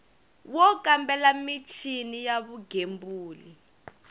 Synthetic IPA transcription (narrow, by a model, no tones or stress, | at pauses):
wɔkʼambɛlamit͡ʃʰinijaβuɡʱembuːli